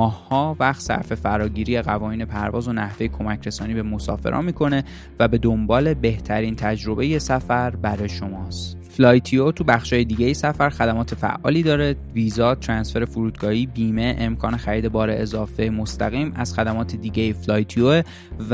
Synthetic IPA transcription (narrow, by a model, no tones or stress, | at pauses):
ɒːhhɒːvæxt̪sæ̰ɾfe̞fæɾɒːɟiːɾiːeɣævɒːniːne̞pʰæɾvɒːzo̞næhve̞jekʰo̞mæcʰɾe̞sɒːniːbe̞mo̞sɒ̰ːfḛɾɒ̰ːmiːkʰo̞ne̞ | væbe̞d̪o̞mbɒːle̞be̞ht̪ʰæɾiːnt̪ʰæd͡ʒɾo̞be̞jesæfæɾbæɾɒjeʃo̞mɒːst̪ | flɒːjt̪ʰiot̪ʰubæxʃɒːje̞d̪iːɟejisæfæɾxæd̪æmɒːt̪ʰefæ̰ʔɒ̰ːliːd̪ɒːɾe̞viːzɒːt̪ʰɾænsfe̞ɾe̞fuɾuːd̪ɡɒːhiːbiːme̞ʔemkʰɒːnexæɾiːd̪e̞bɒːɾe̞ʔezɒːfemost̪ʰæɣiːmæz̥xæd̪æmɒːt̪ʰed̪iːɟejiflɒːjt̪ʰioe